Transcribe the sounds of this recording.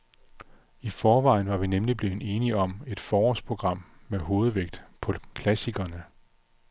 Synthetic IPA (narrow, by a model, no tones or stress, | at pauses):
ifɒːʋɑ̈ɪ̰nʋɑ̈ʋinemlib̥le̝ːe̝ːniɒ̽me̝d̥fɒːɒspʰʁo̝ɡ̥ʁɑ̈m̰mːeɦo̝ːð̞̩ˠʋeɡ̥̚d̥pʰɒ̽kʰlæsiɡ̥ɐnə